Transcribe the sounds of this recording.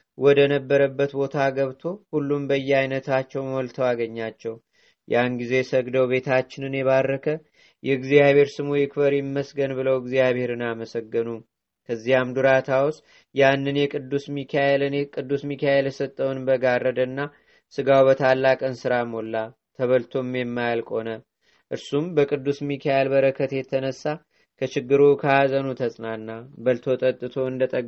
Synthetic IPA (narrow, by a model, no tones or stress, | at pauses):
wɔd̪ənəbːəɾəbːət̪bo̞t̪ʰaɡəβt̪ʰo̞hulːumbəjːɛajnət̪ʰat͡ʃːɛwmɔlt̪ʰəwaɡəɲːat͡ʃːɛw | jʔanɡize̞səɡd̪əwβe̞t̪ʰat͡ʃːɪnɨnjɛβaɾːəkʰə | jʔɛɨɡzijaβhe̞ɾsɨmujɪkfəɾjɪmːəsɡənbɨləwɡzijaβhe̞ɾɨnaməsəɡːənu | kʰəzːihamd̪uɾat̪ʰaws | janːɨnjɛkʼɨd̪ːusmikʰajelɨnkʼɨd̪ːusmikʰajeljɛsət̪ʼːəwnbəɡarːəd̪ənːa | sɨɡawbət̪ʰalːakʼənsɨɾamo̞lːa | t̪ʰəβəlt̪ʰo̞mjɛmːajalkʼo̞nə | ʔɨɾsumbəkʼɨd̪ːusmikʰajelbəɾəkʰːət̪jɛt̪ʰənəsːa | kʰət͡ʃɪɡːɨɾukʰaazənut̪ʰəsʼnanːabəlt̪ʰo̞t̪ʼət̪ʼːɨt̪ʰo̞ɨnd̪ət̪ʼəɡ